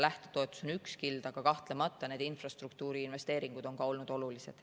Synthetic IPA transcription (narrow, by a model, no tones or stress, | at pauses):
læht̪et̪oe̞t̪ːˑu̥so̞nykskild̪̥ɑɡ̥ɑkɑht̪lemɑt̪ˑːɑne̞ːd̪infrɑst̪rukt̪uːɾiːnve̞st̪e̞ːɾiŋɡ̥ud̪̥o̞nkɑo̞lnud̪o̞lulise̞d̪̥